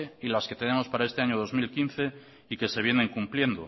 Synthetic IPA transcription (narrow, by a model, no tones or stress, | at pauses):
eilaske̞t̪e̞ne̞mo̞spaɾaest̪e̞aɲo̞ðo̞zmilkin̟θe̞ | ike̞se̞β̞je̞nẽ̞ŋkumplje̞nd̪o̰